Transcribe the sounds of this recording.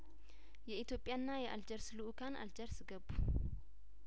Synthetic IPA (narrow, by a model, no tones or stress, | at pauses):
jɛʔit̪jo̞pʼːjanːajɛʔald͡ʒəɾsluʔukʰanʔa̰ld͡ʒəɾsɨɡəbu